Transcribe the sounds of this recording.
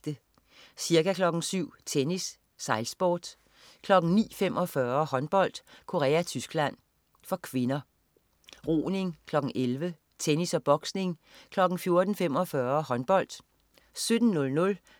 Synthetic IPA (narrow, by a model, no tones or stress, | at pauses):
d̥ə | siɐɡækʰlɒ̽ɡ̥n̩syʊ̰t͡sʰenisː | ɑ̈ɪlsb̥ɒ̰ːd̥ | kʰlɒ̽ɡ̥n̩nḭːfemʔɒ̽fɶɐhɒ̽nb̥ɒ̽l̰d̥kʰo̝ʁɛ̰ːæt͡sʰysɡ̥læn̰ | fɒ̽kʰʋe̝nɐ | ʁo̰ːne̝ŋkʰlɒ̽ɡ̥n̩ʔelʋə | t͡sʰenisɒb̥ɒ̽ɡ̥sne̝ŋkʰlɒ̽ɡ̥n̩fjo̝ɐd̥n̩fem̰ɒ̽fɶɐhɒ̽nb̥ɒ̽l̰d̥ | sød̥n̩nɔ̽lnɔ̽l